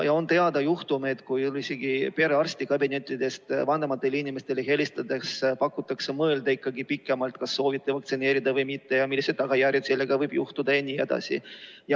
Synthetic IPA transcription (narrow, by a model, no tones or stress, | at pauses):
jɑo̞nt̪e̞ɑd̪̥ɑjuht̪ume̞t̪kujlise̞ɡipe̞ɾeɑrst̪ikɑbine̞t̪ʲːˑid̪e̞st̪vɑnd̪emɑt̪ːˑe̞linʲime̞st̪e̞leɦelist̪ɑd̪ekspɑkːˑut̪ːˑɑkse̞mɤeld̪ɑikːɑɡipikːˑe̞mɑlt̪kɑsːo̞ːvit̪ːˑevɑk̚t̪sine̞ːɾid̪ɑvɤjmit̪ːe̞jɑmilːised̪̚ːɑɡ̥ɑjæɾjet̪se̞lːe̞ɡ̥ɑvɤjb̥juht̪ud̪ɑe̞nʲːie̞d̪̥ɑ̰sḭjɑ